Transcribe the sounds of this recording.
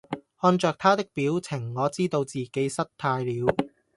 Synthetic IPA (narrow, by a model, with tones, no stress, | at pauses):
hɔː˧nt͡ʃœː˨k̚t̪ʰaː˥t̪ɪ˥k̚piː˨˥wt͡sʰɪ˨˩ŋːɔː˨˧t͡siː˥t̪o˧wt͡siː˨˩ke˨˥jsɐ˥t̚t̪ʰaː˧jliː˨˧w